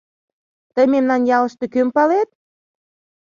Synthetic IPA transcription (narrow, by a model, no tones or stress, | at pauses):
t̪əjmemnɑnjɑlə̆ʃt̪ekømpɑlet̪̚